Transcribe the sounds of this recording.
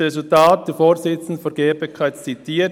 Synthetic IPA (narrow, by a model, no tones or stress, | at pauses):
ʁesʊltaːt̚d̥efoːɾzɪt͡sn̩dfɔɡeːbəkʰaɪtt͡sitʰiːə